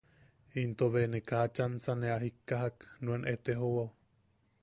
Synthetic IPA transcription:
int̪oβenekaat͡ʃansaneaɦikːaɦaknuenʔet̪eɦowaw

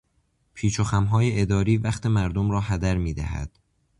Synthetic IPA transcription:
pʰiːt͡ʃʰoxæmɦɒːje̞ʔed̪ɒːɾiːvæxt̪ʰe̞mæɾd̪omɾɒːɦæd̪æɾmiːd̪æ̰hæ̰d̪̥

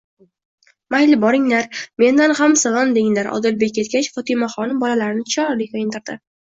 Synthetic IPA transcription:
majlɪbɒɾɪŋlaɾme̞nd̪anhamsalˠɒnd̪eŋlaɾʔɒ̰d̪ɪlbek̚ʲːe̞t̪̚kʲat͡ʃfɒt̪ʰɪmaχɒnɪmbɒlalaɾɪnɪt͡ʃʰɒɾlɪkʰʲɒjɪnt̪ʰɪɾd̪ɪ

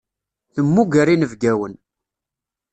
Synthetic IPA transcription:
θəmːuɡəɾinəvɡæwən

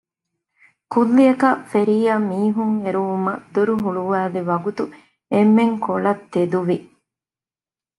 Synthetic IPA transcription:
kulːiɐkɐfeɾiːjamiːɦuŋeɾuʋumɐd̪uɾuɦuɭuʋæːleʋɐɡut̪u | emːeŋkʰolɐt̪ːed̪uʋi

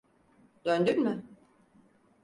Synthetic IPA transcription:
d̪ønd̪ynmɪ

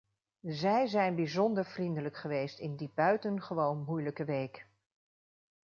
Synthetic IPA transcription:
zɛjzɛjnbizɔndəɹv̥rindələkχəʋejstɪndib̥œɥtənχəʋownmujləkəʋejk

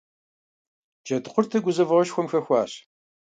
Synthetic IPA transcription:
d͡ʒɐdqʷʊrtʰɨɡʷʊzɐvɐʁʃxʷɔmxɐxʷɑːɕ

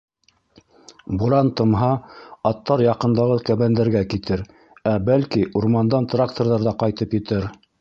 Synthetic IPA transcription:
buɾɑnt̪ɤ̆mɦɑɑt̪ːɑɾjɑqɤ̆nd̪ɑʁɤkæβænd̪æɾɡækit̪ɘɾ | æbælkiʔuɾmɑnd̪ɑnt̪rak̚t̪orðɑɾðɑqɑjt̪ɤpjɘ̆t̪ɘɾ

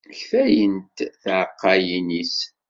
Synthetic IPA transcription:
çfæjənt̪θʕqːɑjinis

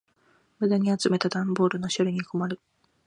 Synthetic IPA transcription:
mɯd̪aɲ̟iat͡sɨme̞t̪ad̪ãmbo̞ːɾɯ̟no̞ɕoɾʲiɲ̟iko̞maɾɯ̟

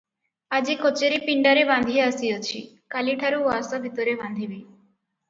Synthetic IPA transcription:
ad͡ʒikot͡ʃeɾipiɳɖaɾeband̪ʱijɔasijɔt͡ʃʰḭ | kaliʈʰaɾuasɔbʱit̪ɔɾeband̪ʱibi

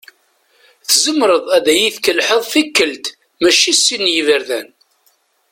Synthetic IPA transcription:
θzəmːɾəðˤæðæjiθkəlħəðˤθikːəlt̪ | mæʃisːinjivəɾðæn

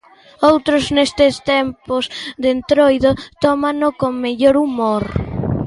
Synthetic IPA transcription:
owt̪ɾoznest̪est̪empozðent̪ɾojðot̪ɔmãnokoŋmeʎoɾumoɾ

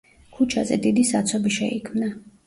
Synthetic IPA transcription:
kʰut͡ʃʰazɛ̰d̪id̪isat̪sʰɔbiʃɛikʰmna

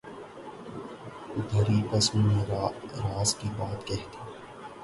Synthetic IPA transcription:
ʊd̪ʱəɾikɐsuneɾɾaːzkibaːt̪kɛɦt̪iː

